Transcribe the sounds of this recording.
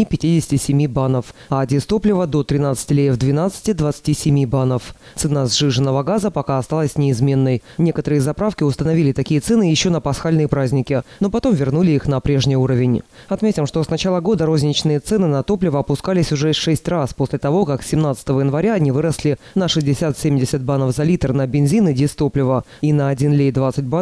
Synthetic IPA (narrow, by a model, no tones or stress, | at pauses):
pʲɪtʲidʲɪsʲɪ̥tʲɪsʲɪmʲibanəfadʲɪst̪o̞plʲɪvəd̪o̞t̪ɾʲɪnat̪sɨ̥tʲɪlʲejvd̪vʲɪnat̪sɨ̥tʲɪd̪vət̪sɨ̥tʲisʲɪmʲibanəf | t̪sɨnazʐɨʐɨnːəvəɡazəpɐkaɐst̪alˠəsʲnʲɪɪzmʲe̞nːəjnʲe̞kət̪əɾɨjəzɐpɾafkʲɪʊst̪ənɐvʲilʲɪt̪ɐkʲijət̪sɛnɨjɪɕːo̞nəpɐsxalʲnɨjəpɾazʲnʲɪkʲɪno̞pɐt̪o̞mvʲɪrnulʲɪixnɐpɾʲeʐnʲɪjuɾəvʲɪnʲ | ɐt̪mʲetʲɪmʂt̪o̞snɐt͡ɕalˠəɡo̞d̪əɾo̞zʲnʲɪt͡ɕnɨjət̪sɛnɨnɐt̪o̞plʲɪvəɐpʊskalʲɪsʲʊʐɛʂɛsʲtʲraspo̞sʲlʲɪt̪ɐvo̞kaksʲɪmnat̪sə̥ɨ̥t̪əvəjɪnvɐɾʲaɐnʲivɨɾəslʲɪ | nəʂɨzʲdʲɪsʲat̪sʲemʲdʲɪsʲət̪̚banəfzɐlʲit̪rnəbʲɪnzʲinɨdʲist̪o̞plʲɪvə | inəɐdʲinlʲejd̪vat̪sɨt̚ʲba